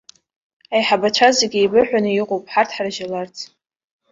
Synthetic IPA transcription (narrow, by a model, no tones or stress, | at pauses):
ajħabat͡ʃʷʰazeɡʲejbɨħʷᶣanɨjiqʼowpʼħartʰħarʒalart͡sʰʼ